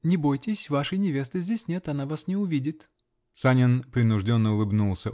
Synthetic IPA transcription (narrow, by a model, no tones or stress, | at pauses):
nʲɪbo̞jtʲɪsʲvaʂɨjnʲɪvʲe̞st̪ɨzʲdʲesʲnʲe̞t̪ɐnavasnʲɪʊvʲidʲɪt̪ | sanʲɪnpɾʲɪnʊʐdʲo̞nːəʊlˠɨbnulˠsʲə